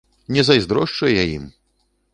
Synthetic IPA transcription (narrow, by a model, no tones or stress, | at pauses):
nʲɛzɐjzd̪ɾɔʂt͡ʂujɛjajḭm